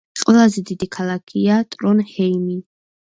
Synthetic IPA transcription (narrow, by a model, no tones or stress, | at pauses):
qʼwɛlˠazɛd̪id̪ikʰalˠakʰiat̪ʼɾɔnhɛimi